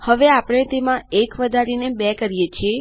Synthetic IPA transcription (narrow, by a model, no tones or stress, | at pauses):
həʋeapəɽ̃et̪emãekʋəd̪ʱaɾinebɛkəɾjet͡ʃʰie